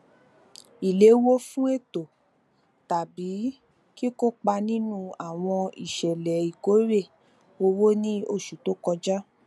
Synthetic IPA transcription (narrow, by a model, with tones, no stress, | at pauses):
i˨le˨˦wo˦fũ˦e˦˨to˨ | ta˨bi˨˦ | ki˦ko˦k͡pa˧nĩ˦nũ˦a˨w̃ɔ̃˧ḭ˨ʃɛ˨lɛ˨i˨ko˨˦ɾe˦˨ | o˧wo˦nĩ˦o˦˨ʃu˨to˦kɔ˧d͡ʒa˦